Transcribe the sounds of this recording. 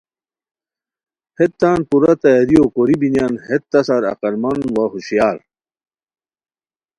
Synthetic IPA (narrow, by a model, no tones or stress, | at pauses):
het̪ːaːnpuɾɐt̪ɐjɐɾiokoɾibinjanhet̪ːɐsaɾɐ̰qɐɾmɐnwɐɦuɕijaːɾ